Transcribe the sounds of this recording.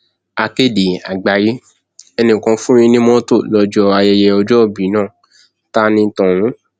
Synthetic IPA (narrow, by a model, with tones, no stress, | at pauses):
a˧ke˦˨de˨a˨ɡ͡ba˨ji˦ | ɛ˧nĩ˨kɔ̃˧fũ˦ĩ˧nĩ˦mɔ̃˦to˦˨lɔ˧d͡ʒɔ˧a˧jɛ˧jɛ˧ɔ˧d͡ʒɔ˦˨bi˨˦nãː˦˨ | ta˦nĩ˧˦tɔ̃˨wũ˨˦